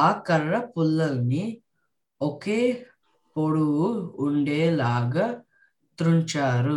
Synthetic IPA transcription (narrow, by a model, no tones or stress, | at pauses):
aːkɐɾːɐpulːɐlɐni | okeː | poɽuwuːɳɖeːlaːɡa | t̪ɾuɲt͡ʃaːɾu